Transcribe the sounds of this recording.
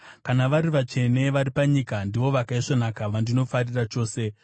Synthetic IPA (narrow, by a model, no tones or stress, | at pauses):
kanaʋaɾiʋat͡ʃe̞ne̞ʋaɾipaɲikandiʋo̞ʋakaiʂonakaʋandino̞farirat͡ʃo̞ːse̞